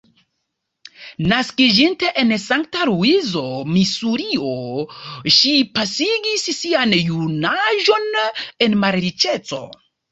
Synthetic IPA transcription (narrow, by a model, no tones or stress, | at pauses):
naskid͡ʒinte̞ʔensaŋk̚taɾuizo̞misuɾio̞ | ʃipasiɡissianjunaʒo̞ne̞nmaɾɾit͡ʃe̞t͡so̞̰